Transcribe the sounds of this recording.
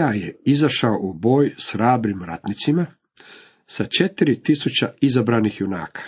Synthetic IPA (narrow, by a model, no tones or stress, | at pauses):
ajeizaʃaoʔubo̞ːjsxɾaːbɾimɾat̪nit̪sima | sat͡ʃe̞t̪iɾit̪isut͡ɕaizabɾaːnixjuna̰ːkʰḁ